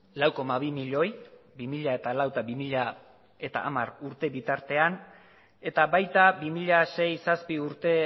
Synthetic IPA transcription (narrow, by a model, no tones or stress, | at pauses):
lawko̞maβimiʎo̞jbimiʎae̞t̪alawt̪aβimiʎa | e̞t̪a̰ʔːmaɾuɾt̪e̞βit̪aɾt̪e̞an | e̞t̪aβajt̪abimiʎase̞jsaspiuɾt̪e̞